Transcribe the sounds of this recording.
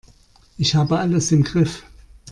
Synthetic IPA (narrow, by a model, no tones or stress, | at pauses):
ʔɪçhaːbəʔaləsɪmɡʁɪf